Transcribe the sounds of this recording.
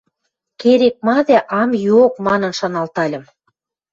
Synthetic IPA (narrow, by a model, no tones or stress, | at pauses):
keɾek̚mɑd̪eʔɑmjuok̚mɑnɤ̆nʃɑnɑlt̪ɑlʲə̆m